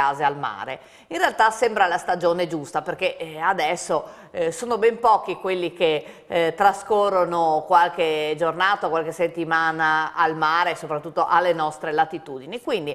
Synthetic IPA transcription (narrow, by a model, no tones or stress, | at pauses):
aːzealma̰ːɾḛ | inrealt̪asɛmbɾalast̪ad͡ʒoːned͡ʒust̪aperkead̪ɛsːo | soːnobɛmpɔːk̟ikwelːike | t̪ːɾaskorːonokwalked͡ʒornaːt̪aokwalkeset̪ːimaːnaːlmaːɾesopɾat̪ːut̪ːoʔalːenɔst̪ɾelat̪it̪uːd̪inikwind̪i